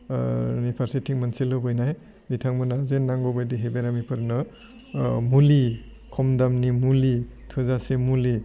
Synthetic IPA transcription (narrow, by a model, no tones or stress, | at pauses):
nipʰaɾsitʰiŋmanselɯbɯjnaj | bitʰaŋmunazenːaŋɡɔbajdiɦebeɾamipʰɯɾnɯ | muli | kʰɔmdamnimulitʰɯzasemuli